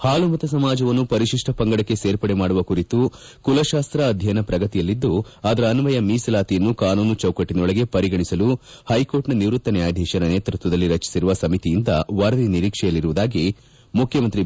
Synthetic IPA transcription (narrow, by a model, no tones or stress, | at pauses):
haːlumɐt̪ɐs̬ɐmaːd͡ʒɐʋɐnːupɐɾiʃiʂʈɐpɐŋɡɐɽɐkːe̞seːɾpɐɽemaːɽuʋɐkuɾit̪u | kulɐʃaːst̪ɾɐːd̪ʱjɐjnɐpɾɐɡɐt̪ijɐlːid̪ːuaːd̪ɐɾɐːnʋɐjɐmiːslaːt̪ijɐnːukaːnuːnut͡ʃɐwkɐʈːinɐɔɭɐɡe̞pɐɾiɡɐɳisɐlu | hɐjko̞ːʈnɐniʋɾut̪ːɐnɛjaːd̪ʱɛːʃɐnɐneːt̪ɾut̪ʋɐd̪ɐlːiɾɐt͡ʃi̥siɾuʋɐsɐmit̪ijind̪ɐʋɐɾɐʋiniɾiːkʂɛjɐlːiɾuʋud̪aːɡi | mukʰjɐmɐnt̪ɾi